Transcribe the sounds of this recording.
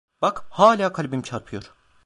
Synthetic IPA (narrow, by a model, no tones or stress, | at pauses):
bakhaːlʲaːkʰalʲbimt͡ʃʰaɾpʰɯjo̞ɾ̥